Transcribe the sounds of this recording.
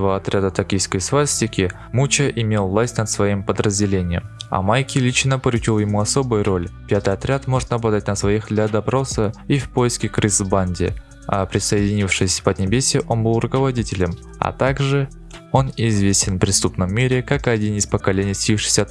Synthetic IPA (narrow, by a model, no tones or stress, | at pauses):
t̪əvəɐt̪ɾʲad̪ət̪ɐkʲijskəjsvasʲtʲɪkʲɪ | mut͡ɕəʔɪmʲe̞lˠvlˠasʲtʲnət̪svɐimpəd̪ɾəzʲdʲɪlʲenʲɪjəmɐ̰majkʲɪlʲit͡ɕnəpəɾʲʊt͡ɕilˠjɪmuɐso̞bɨjʊɾʔo̞lʲpʲat̪ɨjɐt̪ɾʲat̪mo̞ʐɨt̪nɐblˠɐd̪atʲnəsvɐixd̪lʲad̪ɐpɾo̞səifpo̞jɪskʲɪkrɨzbanʲdʲɪ̰ | a̰pɾʲɪsəɪdʲɪnʲifʂɨsʲvəd̪ʲnʲɪbʲesʲɪʔo̞nbɨlˠrʊkəvɐdʲitʲɪlʲəm | ɐ̰t̪aɡʐɨ | o̞nɪzvʲesʲtʲɪnpɾʲɪst̪upnəmːʲeɾʲɪkakɨɐdʲinɪspəkɐlʲenʲɪjsʲifʂɨ̥sʲɐ